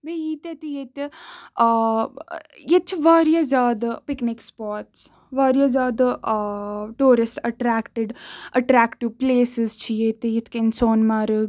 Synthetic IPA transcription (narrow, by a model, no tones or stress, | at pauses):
beiːt̪et̪ijet̪e | jet͡ʃʰiʋaːɾjazaːd̪piknikspaːʈs | ʋaːɾjɐzaːd̪ɐ | ʈuːɾisʈɐʈɾaːkʈɪɖɐʈɾaːkʈiʋpleːsezt͡ʃʰijet̪ejit̪ʰkensoːnmaːɾɨɡ